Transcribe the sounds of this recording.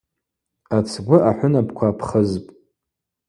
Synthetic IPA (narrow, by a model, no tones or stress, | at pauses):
at͡sʰɡʷʊʔaħʷʊnabkʷʰapʰχəzpʼ